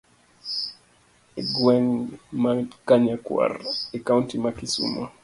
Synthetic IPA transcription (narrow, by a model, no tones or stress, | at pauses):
eɡwɛŋmakaɲakwa̰rɛkauntimakisṵma